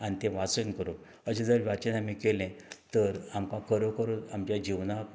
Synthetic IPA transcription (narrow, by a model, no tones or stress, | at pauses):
anit̪ẽʋat͡sənkəɾo | əɕẽd͡zəɾʋjat͡ɕenamikelɛ̃t̪əɾamkãkʰəɾokəɾot̪amt͡ɕjad͡ʑiʋnak